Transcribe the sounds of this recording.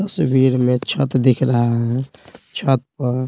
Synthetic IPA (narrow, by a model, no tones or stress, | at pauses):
t̪əsbiɾmet͡ʃʰət̪d̪ekʰɾəɦaɦɦɛt͡ʃʰət̪̚pəɾ